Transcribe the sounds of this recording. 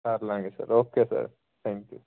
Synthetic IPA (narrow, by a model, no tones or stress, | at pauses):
aːɾlaːŋɡesa̰ɾoːkːesa̰ːɾ | t̪ʰaːŋkju